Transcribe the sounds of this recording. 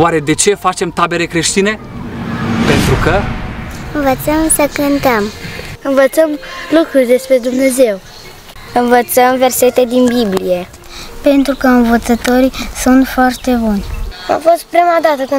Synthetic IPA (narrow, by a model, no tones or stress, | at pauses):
waɾe̞d̪e̞t͡ʃe̞fat͡ʃe̞mt̪abe̞ɾekɾe̞ʃt̪ine̞ | pe̞nt̪ɾukə | ɨnvət̪səmsəkɨnt̪əmɨnvət̪səmlukɾurʲd̪e̞spɾe̞d̪umne̞ze̞w | ɨnvət̪səmve̞rse̞t̪e̞d̪inbiblije̞ | pe̞nt̪ɾukəɨnvət̪sət̪o̞ɾisunt̪foart̪e̞bunʲa̰fo̞st̪̚pɾimad̪at̪əkɨ